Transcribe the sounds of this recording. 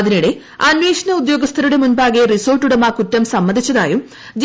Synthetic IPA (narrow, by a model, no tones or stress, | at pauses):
ðiniɽe̞ | ɐnweːʂɐnɐud̪jo̞ːɡɐst̪ʰɐɾuɽe̞munbaːɣeriso̞ːrʈːuɽɐmaːkutːɐmsɐmːɐnd̪ʱit͡ɕːɐðaːjum | d͡ʑ